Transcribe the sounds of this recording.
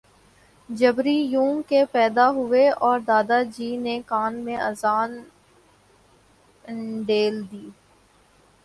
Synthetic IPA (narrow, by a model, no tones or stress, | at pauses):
d͡ʒɐbɾijũːŋkepɛːd̪aɦʊeɔːɾd̪aːd̪ad͡ʒiːnekaːnmẽɐzaːn | ɖeːld̪iː